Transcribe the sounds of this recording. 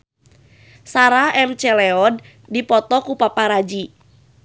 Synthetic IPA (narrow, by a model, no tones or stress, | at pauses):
saɾaɛmt͡ʃɛlɛɔd | dipɔt̪ɔkupapaɾad͡ʒi